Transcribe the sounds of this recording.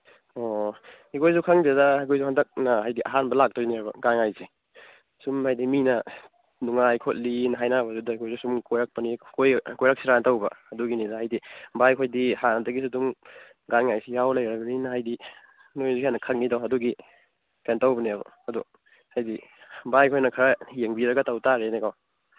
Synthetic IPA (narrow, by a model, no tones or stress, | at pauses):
ohikʰojzukʰaŋdidɐjkʰojzuhandɐk̚nɐɦajdiʔaɦanbɐlak̚tojniabɐ̰ɡanŋajsi | sumhajdiminɐ | nuŋajkʰot̚linɐɦajnabɐzudɐikʰojzusumkojɾak̚pɐnikojkojɾak̚siɾantawbɐɐduɡinidaɦajdibajkʰojdihanɐdɐɡisudum | ɡanŋajsijawlɐjɾɐbɐninɐɦajdi | nojzikianːɐkʰɐk̚nidawɦɐduɡi | pentawbɐniabɐ̰ɐdu | hajdibajkʰojnɐkʰɐɾɐjeŋbiɾɐɡɐtawtaɾenekaw